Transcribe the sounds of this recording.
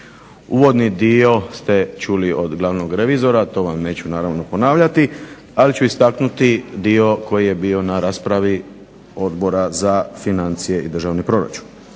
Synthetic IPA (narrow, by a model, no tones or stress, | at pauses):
uːʋo̞d̪nid̪io̞st̪e̞t͡ʃulio̞d̪ɡlˠaʋno̞ɡɾe̞ʋizo̞ɾat̪o̞ʋamne̞ːt͡ɕunaːɾaʋno̞po̞naːʋʎat̪i | alit͡ɕuist̪aknut̪id̪io̞ko̞jije̞bio̞naɾaːspɾaʋi | o̞d̪bo̞ɾazafinant̪sije̞id̪r̩ʒaːʋnipɾo̞ɾa̰t͡ʃu̥n